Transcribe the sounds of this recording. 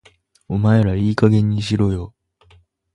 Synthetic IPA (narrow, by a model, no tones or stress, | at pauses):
omaeɾaiːkaɡẽ̞ɲ̟ːiɕiɾoːjo